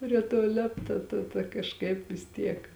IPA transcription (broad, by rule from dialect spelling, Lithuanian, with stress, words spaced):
pʲrʲiɛ ˈtoː ˈlʲeːptɐ ˈtɐ tɐ kɐʃˈkɐɪp ʋʲɪs ˈtʲiɛk